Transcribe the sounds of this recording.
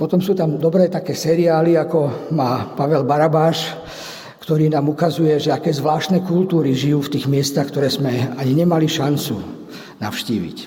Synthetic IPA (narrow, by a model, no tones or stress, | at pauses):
pɔt̪ɔmsuːt̪amd̪ɔbɾɛːt̪akɛːsɛɾiaːliakɔmaːpaʋɛlbaɾabaːʃ | kt̪ɔɾiːnaːmukazujɛʒɛakɛːzʋlaːʃt̪nɛːkult̪uːɾiʒijuːft̪iːɣmɪɛst̪axkt̪ɔɾɛːzmɛaɲiɲɛmaliʃant͡su | na̰ʊʃcḭːʋḭc